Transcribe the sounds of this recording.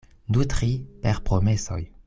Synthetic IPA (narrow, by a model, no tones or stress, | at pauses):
d̪ut̪χipɛʁpχɔmesɔ̰j